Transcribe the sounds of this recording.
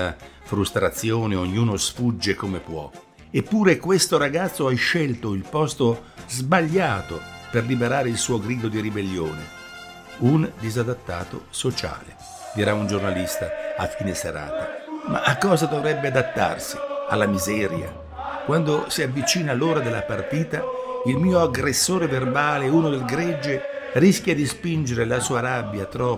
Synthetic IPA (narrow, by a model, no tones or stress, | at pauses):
afɾust̪ɾat̪sːjoːneoɲːuːnosfud͡ʒːekomepwɔ̰ | epːuːɾekwest̪oɾaɡat̪sːoajʃɛlt̪oilpɔst̪o | zbaʎːaːt̪operlibeɾaːɾeilsuːoɡɾiːd̪od̪iɾibelːjoːne | und̪izad̪at̪ːa̰ːt̪o̰sot͡ʃa̰ːlḛ | d̪iɾaund͡ʒornalist̪aafːiːnesḛɾa̰ːt̪ama̰ʔːkːɔːzad̪ovɾɛbːead̪at̪ːa̰rsialːamizɛːɾja̰ | kwand̪osiavːit͡ʃiːnaloːɾad̪elːapart̪iːt̪ailmiːoaɡɾesːoːɾeverbaːleuːnod̪elɡɾɛd͡ʒːe | riskʲjad̪ispind͡ʒeɾelasuːaɾabːjat̪ɾɔː